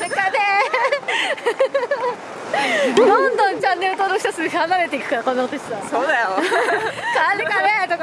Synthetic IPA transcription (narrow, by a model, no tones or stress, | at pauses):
ekːad̪e | d̪õnd̪õ̞ɲt͡ɕãnːe̞ɾɯt̪oːnoç̥i̥sasɨeɯ̟hanaɾe̞t̪eikɯ̟kaɾakõ̞nːakot̪oɕsasod̪ajo | sadekanet̪oka